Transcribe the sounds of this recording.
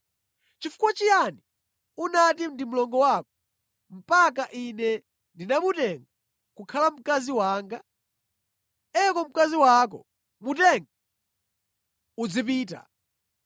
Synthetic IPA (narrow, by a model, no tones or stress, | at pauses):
t͡ʃifu̥kwat͡ʃijani | unatindim̩lɔŋɡɔwakɔ̥ | m̩pak̬aʔinɛ | ndinamutɛŋɡa | kukʰalam̩kaziwaːŋɡa | ɛkɔm̩kaziwak̬ɔ̰ | mutɛŋɡa | ud͡zip̬iːta̰